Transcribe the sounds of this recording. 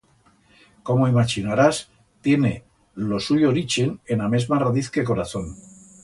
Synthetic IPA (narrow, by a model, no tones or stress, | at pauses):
ko̞moimat͡ʃinaɾas | t̪je̞ne̞ | lo̞suʎooɾit͡ʃenename̞zmaraðiθke̞k̬o̞ɾaθo̞n